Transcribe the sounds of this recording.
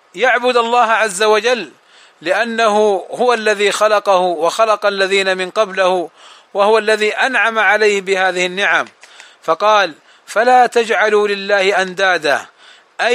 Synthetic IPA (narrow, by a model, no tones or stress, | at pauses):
jaʕbʊd̪ɑlˤːɑːhʕazːawad͡ʒalː | ɪʔanːaɦʊhʊwalːaðiːxɑlɑqɑhʊwɑxɑlɑqɑlːaðiːnamɪnqɑblɪhʊ | wahʊwalːaðiːʔanʕamaʕalajhɪbɪhaːðɪhɪnːɪʕam | fɑqɑːl | falaːt̪ad͡ʒʕalulɪlːaːhɪʔand̪aːd̪a | ʔa